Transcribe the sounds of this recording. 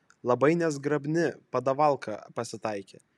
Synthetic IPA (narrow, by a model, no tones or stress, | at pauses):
lˠɐbɐɪnʲɛzɡɾɐbʲnʲɪpɐd̪ɐʋɐlˠkʰɐpɐsʲɪt̪ɑɪkʲḛː